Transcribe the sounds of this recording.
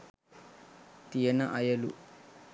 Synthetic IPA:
t̪ijɐnɐʔɐjɐlṵ

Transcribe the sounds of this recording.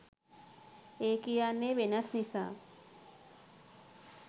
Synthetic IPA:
ekijanːeʋenasnisa̰

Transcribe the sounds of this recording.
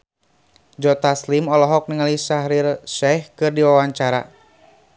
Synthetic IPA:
d͡ʒɔt̪aslimɔlɔɦɔk̚niŋalisahɾirʃɛhkɨrdiwawaɲt͡ʃaɾa̰

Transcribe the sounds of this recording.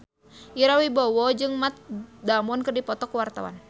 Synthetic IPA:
iɾawibɔwɔd͡ʒɨŋmat̪̚damɔnkɨrdipɔt̪ɔkuwart̪awa̰n

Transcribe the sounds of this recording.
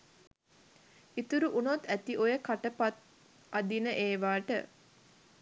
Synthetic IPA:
it̪uɾuʔunot̪æt̪iʔojəkaʈəpat̪ | ad̪inəʔeːʋaːʈə

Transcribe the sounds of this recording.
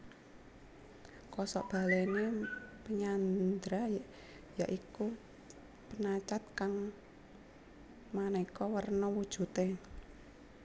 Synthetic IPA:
kɔsɔʔb̥a̤lenepəɲand̪ɾaj | jaʔiku | pənat͡ʃat̪̚kaŋ | manekɔwərnɔwud̥ʒ̥ṳt̪e

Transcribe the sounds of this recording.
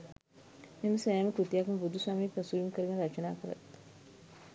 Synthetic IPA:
memsɐjaːmekut̪ijaːkɐmbud̪ʱuswaːmiːpɾɐsujumkəɾɐɡɐnɾɐt͡ʃɐnaːkəɾɐ̰t̪

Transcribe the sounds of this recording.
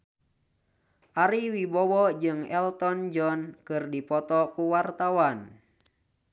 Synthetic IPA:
ʔaɾiwibɔwɔd͡ʒɨŋɛlt̪ɔnd͡ʒɔnkɨrdipɔt̪ɔkuwart̪awan

